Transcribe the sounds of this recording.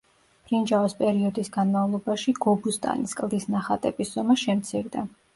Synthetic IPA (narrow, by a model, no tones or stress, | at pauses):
plind͡ʒaɔspʼɛɾiɔd̪isɡanmavlˠɔbaʃiɡɔbust̪ʼa̰niskʼlˠd̪isnaχat̪ʼɛbisz̥ɔmɛʃɛmt̪sʰiɾd̪a